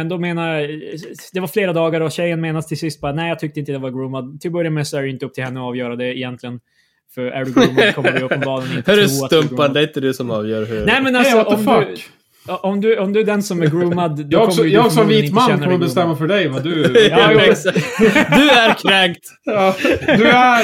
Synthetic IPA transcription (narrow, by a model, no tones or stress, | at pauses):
ɛnd̪ɔmeːnaj | d̪ɛvaɾfleːɾad̪ɑːɡaɾɔɕɛjːənmeːnast̪ʰɪlsɪst̪̚bɑːt̪nɛːɪjɑːt̪ʰʏk̚t̪əɪnt̪əd̪ɛvaɾɡɾuːmad̪̚t̪ʰɪlbœɾjamɛsɔæɾɛɪnt̪əɵpt̪ʰɪlɛnːəɔɑːvjœːɾad̪ɛɪjɛnt̪ʰlɪɡən | fœɾæ̰ɖʉɡuːmkʰɔmːəbɪɵpːɛbɑːlənɪɛɾʉuːsat̪ɵmpːand̪ɛæɾɪnt̪əd̪ʉsɔmɑːvjœːɾɦʉnɛɪmɛnalsɔʔɔmdd̪ | ʔɔmd̪ʉɔmd̪ɵæɖ̪ɛnsɔmæɾɡɾuːmad̪d̪ɵkɔkʰɔmːsɔjɑɔkːsɔviːɪɪməanɛːnk̪ːəɾɔmbɛst̪ɛmːafœɖɛjvad̪ʉ | sakd̪ʉæɾkʰɾɛŋt̪ː | d̪æ